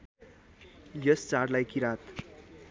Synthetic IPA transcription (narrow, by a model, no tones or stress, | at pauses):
jʌst͡sarlajkiɾat̪